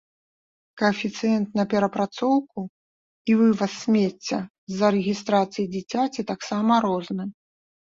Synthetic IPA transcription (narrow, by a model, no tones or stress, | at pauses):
kɐfʲit̪sɨjɛnt̪nɐpʲɛɾɐpɾat̪sɔwku | ivɨvɐsʲːmʲet͡sʲːɐ | zɐɾɛɣʲist̪ɾat̪sɨjid͡zʲit͡sʲat͡sʲit̪aksamɐɾɔznɨ